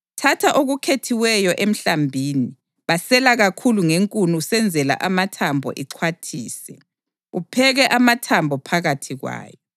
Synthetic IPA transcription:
tʰatʰaʔoɣukʰetʰiwɛjɔʔem̩ɬambʱiːni | βasɛlaɣakʰuluŋeŋkʼunusɛnd͡zʱɛla̰ʔamatʰambʱɔ̰ʔiǃʰwatʰḭːsɛ | upʰɛɣɛʔamatʰambʱɔpʰaɣatʰiɣwa̰ːjɔ

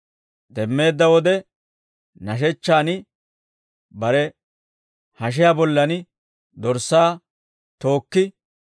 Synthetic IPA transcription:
d̪ɛmːe̞ːd̪ːɐwɔd̪ɛ | nɐʃ̬ɛt͡ʃːaːnɪ | bɐɾɛ | hɐʃ̬ɪjabɔlːɐnɪ | d̪ɔɾsːaː | t̪o̞ːkːɪ

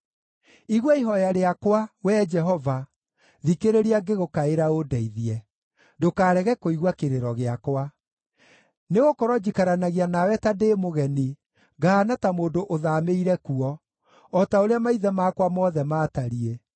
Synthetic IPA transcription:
iɣwɔiɦɔjaɾeakwawɛd͡ʒɛɦɔva | ðikeɾeɾiaɡeɣokaeɾaodɛiðiɛ | dokaːɾɛɣɛkoiɣwakeɾeɾɔɣeakwa | neɣokɔɾɔd͡ʑikaɾanaɣianawɛtadeːmoɣɛni | ɡanatamoːndoʔoðameiɾɛkuɔː | taoɾeamaiðɛmaːkwamɔðɛmaːtaɾie

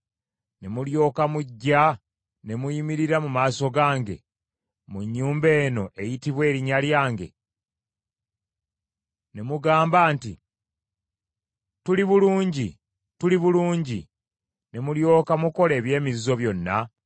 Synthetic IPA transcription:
nemuljo̞ːkamuɟːa | ne̞mujimiɾiɾamumaːso̞ɡaːŋɡe̞̰ | muɲːuːmbe̞ːno̞ʔe̞jitiβwe̞ːɾiɲaljaːŋɡe̞̰ | nemuɡaːmbaːnti | tuliβuluːɲɟi | tuliβuluːɲɟi | nemuljo̞ːkamuko̞le̞ːβje̞ːmizizo̞βjo̞nːa

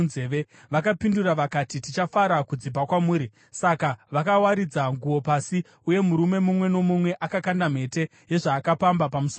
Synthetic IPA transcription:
zeːe̞ | ʋakapinduraʋakatitit͡ʃafaɾakud͡zibʱakwamuːɾi | sakaʋakawaɾid͡zaŋɡuwo̞pasi | uje̞muɾume̞mumwe̞no̞mumwe̞ʔakakandam̤e̞te̞ | je̞ʐaːkapambapamuso

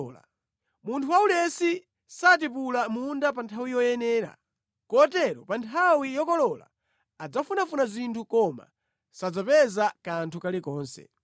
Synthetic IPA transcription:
la̰ | muntʰuwaulɛsi | sat̬ipulamundapantʰawijɔjɛnɛːɾa̰ | kɔtɛɾɔpantʰawijɔkɔlɔla̰ː | d͡zafunafunazintʰukɔma̰ | sad͡zapɛzakantʰukalikɔːnsɛ̰

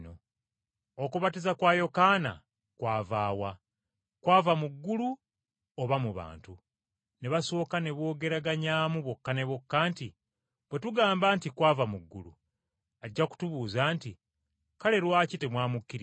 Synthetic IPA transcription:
no | okuβatizakwaːjo̞kaːna̰ | kwaːvaːwa | kwaːvamuɡːulu | oβamuβa̰ːntu | neβaso̞ːkane̞βo̞ːɡe̞ɾaɡaɲaːmuβwo̞kːane̞βokːaːnti | βwe̞tuɡaːmbaːntikwaːvamuɡːulṵ | aɟːaku̥tuβuːzaːnti | kale̞ɾwaːcitemwaːmukːiɾi

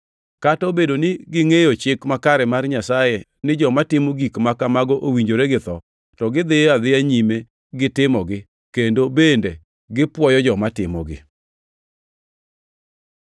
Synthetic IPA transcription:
katɔbedonɪɡɪŋejot͡ʃɪkmakaɾɛmarɲasaje | nɪd͡ʒɔmatɪmoɡikmakamaɡɔʔowiɲd͡ʒoɾeɡɪt̪ɔ | tɔɡɪd̪ɪad̪ɪaɲime | ɡɪtɪmɔɡɪ | kendobende | ɡɪpwɔjɔd͡ʒɔmatɪmɔ̰ɡɪ̰

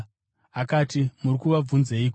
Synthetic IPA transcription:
akaːtimurikuʋab͡vunzeiːko

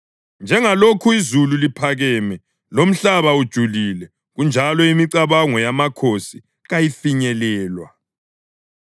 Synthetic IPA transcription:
nd͡ʒʱɛŋalokʰuizululipʰaɣɛːmɛ | lom̩ɬaβaud̥ʒ̥ʱulilɛ | ɣund͡ʒʱalɔimiǀaβaŋɔjamakʰosi | ɣajifiɲɛlɛːlwa̰

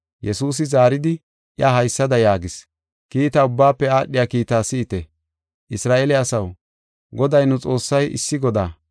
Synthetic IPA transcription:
jɛsuːs̬ɪzaːɾɪd̪ɪ | ʔjaɦɐjsːɐd̪ɐjaːɡɪs | kiːt̪aʊbːaːpːɛaːɗːɪjaːkiːt̪aːsɪːt̪ɛ | ʔɪsɾaːʔeːlɛɐsɐw | ɡɔd̪ɐjnʊt͡sʼo̞ːsːɐjɪ̰sːɪɡɔd̪aː

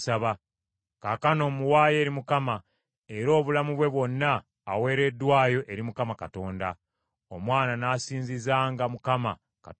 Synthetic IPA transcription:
saβa | kakano̞ːmuwaːje̞ːɾimukama | e̞ɾo̞ːβulamuβwe̞βwo̞nːaː | we̞ːɾe̞dːwaːjo̞ʔe̞ɾimukamakato̞ːnda | o̞mwaːnanaːsiːnzizaːŋɡamukama | ka̰

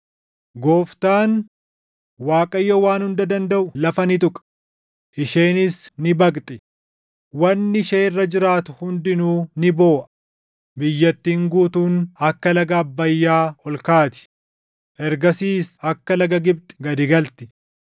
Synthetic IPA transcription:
ɡoːft̪aːn | waːkʼɐjːɐwaːnhʊnd̪ɐd̪ɐnd̪ɐʔʊlɐfɐnɪt̪̬ʊkʼɐ̥ | ʔɪʃeːnɪsnɪbɐkt̪ʼɪ | wɐnːɪʃeːrːɐd͡ʒɪɾaːt̪ʊhʊnd̪ɪnuːnɪbo̞ːʔɐ̥ | bɪjːɐt̪ːiːŋɡuːt̪uːnɐkːɐlɐɡɐːbːɐjːaːɔlkaːt̪ɪ̥ | ʔɛɾɡɐsiːsɐkːɐlɐɡɐɡɪb̚t̪ʼɪ̥ɡɐd̪ɪɡɐlt̪ɪ̥

